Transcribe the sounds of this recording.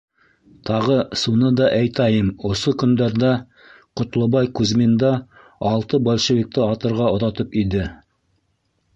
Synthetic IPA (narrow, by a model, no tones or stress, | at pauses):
t̪ʰɑʁɤsunɤd̪ɑʔæjt̪æjɤmŏsokɵ̆nd̪æɾd̪æ | qŏt̪lˠɤ̆βɑjkʉzmend̪æ | ɑlˠt̪ɤbolʲʃĕvʲik̚t̪ɘɑt̪ɤ̆ɾʁɑŏðɑt̪ɤpid̪ɘ